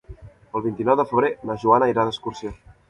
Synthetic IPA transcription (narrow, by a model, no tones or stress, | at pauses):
əlˠβint̪inɔwðəfəβɾeləʒuanəiɾaðəskursio